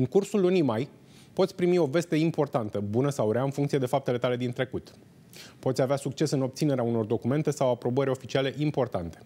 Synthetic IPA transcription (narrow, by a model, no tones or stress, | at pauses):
ɨŋkursulːunimaj | po̞t̪sʲpɾimio̞ve̞st̪e̞impo̞rt̪ant̪əbunəsawɾeaɨnfuŋkt̪sied̪e̞fap̚t̪ele̞t̪ale̞d̪int̪ɾe̞kut̪ | po̞t̪sʲaveasuk̚t͡ʃe̞sɨno̞b̪̚sine̞ɾeauno̞rd̪o̞kume̞nt̪e̞sawapɾo̞bəɾʲo̞fit͡ʃiale̞ʔimpo̞rt̪ant̪e̞̥